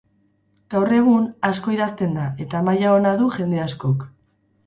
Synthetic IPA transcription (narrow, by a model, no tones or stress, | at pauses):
ɡ̥awre̞ɣ̞unasko̞iðast̪e̞nd̪ae̞t̪amajao̞naðuʝe̞nd̪e̞asko̞k